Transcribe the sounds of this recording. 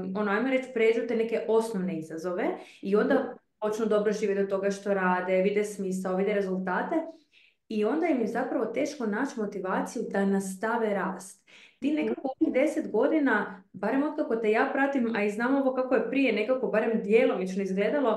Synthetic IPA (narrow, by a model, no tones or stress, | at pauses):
o̞noajmoɾe̞t͡ʃpɾed͡ʒut̪ene̞ke̞ʔo̞snoʋne̞izazo̞ʋe̞io̞nd̪apo̞t͡ʃnud̪obɾoʒiːʋjet̪ot̪o̞ɡaʃt̪o̞ɾaːd̪eʋid̪ɛsmiːsaoʋid̪eɾe̞zulˠt̪aːt̪e̞ | io̞nd̪ajemizapɾaʋo̞t̪e̞ːʃko̞naːt͡ʃmo̞t̪iʋaːt̪sijud̪anast̪aʋeɾaːst̪t̪ine̞kakoonixd̪e̞set̪ɡo̞d̪inabaɾemo̞d̪̚kako̞t̪e̞jaːpɾat̪imaiznaːmo̞ʋo̞kako̞je̞pɾijene̞kako̞baɾemd̪jeːlomit͡ʃno̞izɡle̞ːd̪alo̞